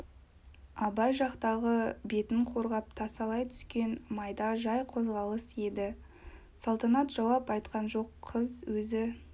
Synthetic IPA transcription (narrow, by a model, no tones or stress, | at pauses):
ɑbɑjʒɑqt̪ɑʁəbe̞t̪ɪŋqʰo̞ɾʁɑp̚t̪ʰɑsɑlˠɑjt̪ʰʏ̥skʲe̞nmɑjd̪ɑʒɑjqʰo̞zʁɑlˠəse̞d̪ɪ | sɑlˠt̪ɑnɑt̪ʒ̥ɑwɑpɑjt̪qɑnʒo̞qʰːəzwɵzɪ